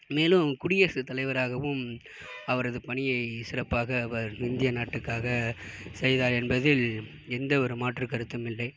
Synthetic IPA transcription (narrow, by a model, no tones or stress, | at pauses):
meːlɯmkʊɽɪjɐːsɯt̪ːɐlɐɪʋɐɾaːɣɐʋɯm | ɐʋɐɾɐðɯpɐɳɪjɐɪsɪrɐpːaːɣɐːʋɐɾɪnd̪ɪjɐnaːʈːɯkːaːɣɐsɛjðaːɾɛnbɐðɪl | ɛnd̪ɐɔɾɯmaːʈrɯkɐɾɯt̪ːɯmɪlːɐɪ